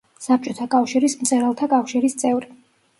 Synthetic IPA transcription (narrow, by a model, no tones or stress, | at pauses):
sap̚t͡ʃʼɔt̪ʰakʼafʃiɾismt̪sʼɛɾɛlˠt̪ʰakʼafʃiɾist̪sʼɛvɾi